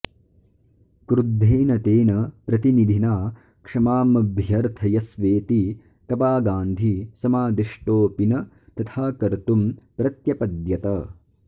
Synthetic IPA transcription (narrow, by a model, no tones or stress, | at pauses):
kɾud̪ʱːeːnɐt̪eːnɐpɾɐt̪inid̪ʱinaː | kʂɐmaːmɐbʱjɐɾt̪ʰɐjɐsʋeːt̪i | k̪ɐpaːɡaːnd̪ʱisɐmaːd̪iʂʈoːpinɐ | t̪ɐt̪ʰaːkɐɾt̪umpɾɐt̪jɐpɐd̪jɐt̪ɐ